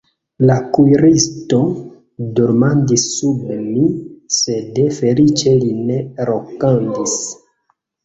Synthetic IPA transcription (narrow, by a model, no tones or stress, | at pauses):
lakujɾisto̞ | duɾmandisːubemisedefelit͡ʃelineɾokandis